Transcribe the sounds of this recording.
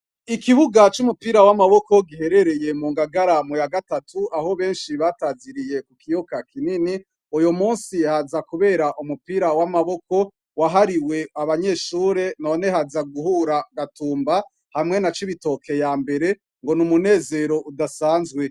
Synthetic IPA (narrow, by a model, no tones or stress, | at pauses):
ikiβuɡat͡ʃumupiːɾawamaβo̞ko̞ɡihe̞ɾe̞ɾe̞je̞muːŋɡaɡaɾamujaɡatatʰuaho̞βe̞ːnʃiβataːziɾije̞kukijokakʰinini | ujomuːnsihazakuβe̞ːɾaʔumupiɾawamaβo̞ko̞ | waɦaɾiwe̞aβaɲe̞ːʃuːɾe̞none̞ɦazaɡuhuːɾaɡatuːmba | hamŋe̞nat͡ʃiβito̞kʰe̞jaːmbe̞ɾe̞ | ŋɡo̞numune̞ːze̞ɾo̞ʔudasaːnzɡwe̞